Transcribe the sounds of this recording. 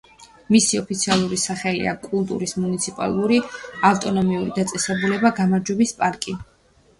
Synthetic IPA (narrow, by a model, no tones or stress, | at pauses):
misiɔpʰit̪sʰialˠuɾisaχɛlḭa̰kʼulˠt̪ʼṵɾismunit̪sʰipʼa̰lˠuɾiaft̪ʼɔnɔmiuɾid̪at̪sʼɛsɛbulɛbaɡamaɾd͡ʒwɛbispʼaɾkʼi